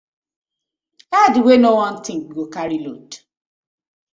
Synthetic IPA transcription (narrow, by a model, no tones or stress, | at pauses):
adwenowɔ̃n̩tɪ̃ŋk̚ɡokaɾilot